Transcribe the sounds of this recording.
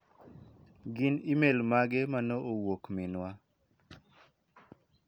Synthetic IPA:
ɡɪnimelmaɡemanoʔowokminwa

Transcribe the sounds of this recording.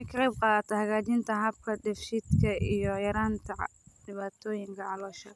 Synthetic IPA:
ɪkʰɐɾɛb̚qɑːðt̪ʰɐhɐɣaːt͡ʃɪnt̪ʰɐɦɐb̚kʰɐɖɛfʃid̪kʰɐʔijɔjɐɾaːnt̪ʰɐɖɪβaːt̪ʰɔːjɪŋkʰɐʕɑlɔːʃɐ

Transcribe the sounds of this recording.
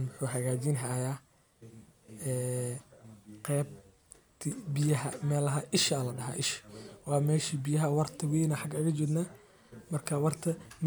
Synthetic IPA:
nʊħuːɦɐɣaːt͡ʃɪnɦajaː | ɛː | qɛːb̚ | t̪ʰɪbɪjɐɦɐmɛːlɐɦɐʔɪʃaːlɐɖɐɦa̰ːʔɪʃwɑːmɛːʃibɪjɐɦɐwɑrt̪ʰɐwɛjnɐħɑɡɐɣɐt͡ʃʊd̪na | mɐrkʰɐwɑrt̪ʰɐm

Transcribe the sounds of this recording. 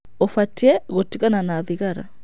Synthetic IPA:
ofatiɛɣotiɣananaðiɣaɾa̰

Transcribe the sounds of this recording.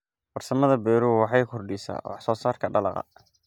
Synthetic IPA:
bɐrsɐmɐðɐbɛːɾuːwɑħɑjkʰʊrɖisa̰ːwɑ̰ħsɔːsaːrkʰɐɖɐlɑqɑ̰

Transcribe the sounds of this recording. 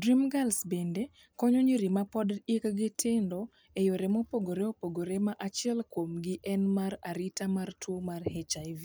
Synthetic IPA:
dɾimɡalsbende | kɔɲoɲiɾimapɔdɪkɡɪtʰɪndɔ | ejoɾemopoɡoɾeopoɡoɾemaʔat͡ʃɪɛlkwomɡɪʔɛnmaɾaɾitamartwomarhɛt͡ʃaivi

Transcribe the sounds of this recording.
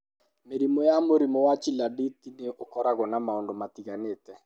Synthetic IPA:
meɾimɔjamoɾimɔwat͡ʃiladitineʔokɔɾaɣɔnamaondomatiɣaneːtɛ

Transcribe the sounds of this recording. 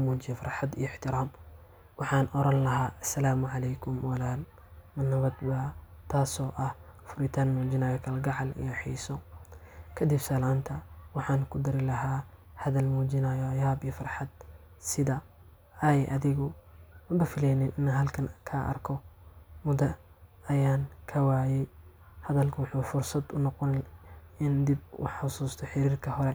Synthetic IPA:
muːd͡ʒɪjɐfɑrħɑd̪ijɔɪħt̪ʰɪɾaːm | wɑħɑːnʔɔɾɐnlɐɦaːʔɐsːɐlaːmʊʕɑlɛjkʰʊmwɐlaːl | mɐnːɐβɐd̪baːt̪ʰaːsɔːʔɐhfʊɾɪt̪ʰaːnmuːd͡ʒɪnaːjɐkʰɐlɐɡɑʕɑlɪ̰jɐħḭːsɔ | kʰɐd̪ɪbsɐlaːnt̪ʰɐwɑħɑːnkʰʊd̪ɐɾɪlɐɦaːhɐðɐlmuːd͡ʒɪnajɔɐjaːbijɐfɐrħɑd̪̚ | sɪðɐ | ɐjʔɐðɪɣɔwmbɐfɪlɛjnɪnɪnɐɦɐlkʰɐnkʰaːʔɐ̰rkʰɔmʊðɐ | ɐjaːnkʰɐwaːjɛj | hɐðɐlkʰɐwʊħuːfʊrsɐd̪ʊnɔqɔnɪnd̪ɪbwɑ̰ħʊsuːst̪ʰɔħɪɾiːrkʰɐhɔɾɛ

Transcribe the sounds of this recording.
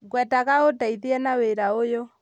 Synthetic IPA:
ɡwɛtaɣaotaiðiɛnaweɾaojo

